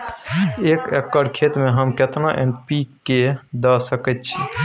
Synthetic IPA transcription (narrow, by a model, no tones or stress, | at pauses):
ekekːəɾkʰet̪meɦəmket̪noʔḛmpiked̪əsəkɛt̪̚t͡ʃʰi